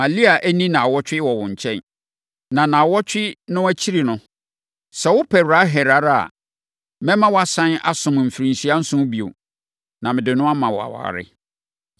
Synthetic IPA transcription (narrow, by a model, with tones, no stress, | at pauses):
ma˨li˦a˨ʔæ˦nĩ˦nã˨a˨wɔ˦t͡ɕᶣɪ˦wɔ˨wʊ̃˨ɲ̩˨t͡ɕʰɛ̃˦n | nã˨nã˨wɔ˦t͡ɕᶣɪ˦nʊ̃˦æ˦t͡ɕʰi˦ɾi˨nʊ̃˦ | sɛ˨wʊ˦pʰɛ˨wɾa˨˦ɦɛ˨ɾa˨˦ɾa̰˨ | mɛ̃˦mã˦wɔ˦a˨sã˦na̰˦sʊ̃˨m˨m̩˨fi˨ɾĩ˨nsi˦a˦n̩˦sʊ̃˦bi˨o̰˨ | nã˨mɪ̃˨dɪ˨nʊ̃˦a˦mã˨wɔ˨a̰˨wa̰ː˨ɾɪ̰˦